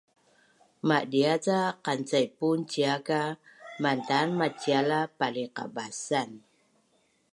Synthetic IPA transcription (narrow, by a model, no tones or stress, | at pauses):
maʔdiat͡saqant͡sajpunt͡ɕiakamantanmat͡ɕialapaliqa̰basan